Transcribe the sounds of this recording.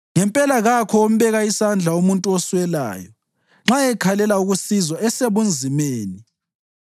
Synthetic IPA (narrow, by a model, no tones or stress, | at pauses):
ŋɛmpʼɛlaɣakʰɔom̩βɛɣaisand͡ɮʱaumuntʼuɔswɛla̰ːjɔ | ŋ͡ǁaɛkʰalɛlauɣusizɔɛseβund͡zʱimeːni